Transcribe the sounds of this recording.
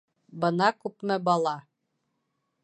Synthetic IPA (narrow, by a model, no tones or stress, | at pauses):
bɤ̆nɑkʉpmɘbɑlˠɑ